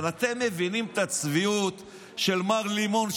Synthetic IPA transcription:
lat̪e̞mːe̞vinimt̪at͡sviut̪ | ʃe̞lmaʁlimo̞n

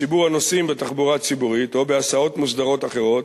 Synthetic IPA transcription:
ibuʁano̞simbet̪aχbuʁat͡sibuʁit̪o̞beasao̞t̪musd̪aʁo̞t̪aχe̞ʁo̞t̪

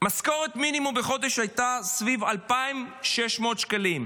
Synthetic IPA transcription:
masko̞ʁet̪minimumbeχo̞d̪eʃhajt̪asvivalpaimʃeʃmo̞t̪ʃkalim

